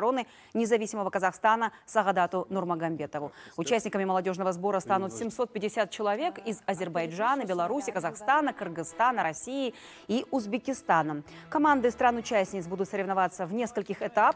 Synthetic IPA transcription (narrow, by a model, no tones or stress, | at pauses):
ɾo̞nɨ | nʲɪzɐvʲisʲɪməvəkəzɐxst̪anəsəɣɐd̪at̪ʊnʊrməɡɐmʲbʲe̞t̪əvʊʊt͡ɕæsʲnʲɪkəmʲɪməlˠɐdʲo̞ʐnəvəzbo̞ɾəst̪anʊt̪sʲɪmso̞t̪̚pʲɪdʲɪsʲat̪̚t͡ɕɪlˠɐvʲe̞kɪzɐzʲɪrbɐjʐanəbʲɪlˠɐɾusʲɪkəzɐxst̪anəkɨrɡɨst̪anəɾɐsʲijɪ | iʔʊzbʲɪkʲɪst̪anə | kɐmand̪ɨst̪ɾanʊt͡ɕæsʲnʲɪt̪sbud̪ʊt̪səɾʲɪvnɐvat̪sːəvnʲe̞skəlʲkʲɪxɛt̪ap